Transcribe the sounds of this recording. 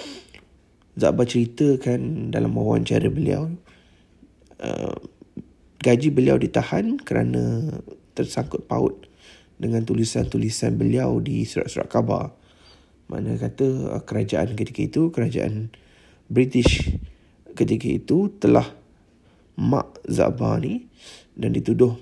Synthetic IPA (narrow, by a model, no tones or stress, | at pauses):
za̰ʔbat͡ʃəɾit̪əkandalamawa̰nt͡ʃaɾəbəlia̰w | ə | ɡad͡ʒibəliawdit̪ahankəɾanə̃t̪ərsaŋkʊt̪̚paʊt̪̚ | dəŋãnt̪ulisant̪ulisanbəliawdisuɾa̰ʔsuɾa̰ʔkaba̰r | mʔã̰ʔnəkat̪əəkəɾad͡ʒaʔankət̪ikəit̪ukəɾad͡ʒaʔa̰n | bɾit̪ɪʃ | kət̪ikəit̪ut̪əlah | mã̰ʔza̰ʔbani | dandit̪udʊh